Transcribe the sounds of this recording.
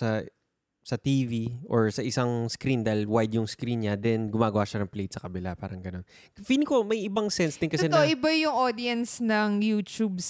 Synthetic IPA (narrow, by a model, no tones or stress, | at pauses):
sɐ | sɐt̪iːviʔoɹsɐʔɪsaŋskɾind̪ɐjlwajd̪jʊŋskɾinɲɐd̪ɛnɡʊmaːɡɐwaːʃɐnɐŋplejt̪̚sɐkɐbɪlapaːɾɐŋɡɐno̞n | finɪkomɐjʔɪbɐŋsɛnsd̪ɪnkɐsɛnoɪbɐjʊŋʔoːd̪iɐnsnɐŋjuːt͡ʃubs